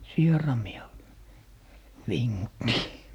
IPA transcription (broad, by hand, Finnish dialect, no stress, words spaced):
sierɑmiɑ ʋiŋːutːi